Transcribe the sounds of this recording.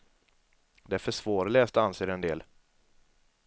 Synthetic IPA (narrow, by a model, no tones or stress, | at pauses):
d̪ɛæɾfœʂvoːɾlɛːst̪anseːɾɛnd̪ḛːl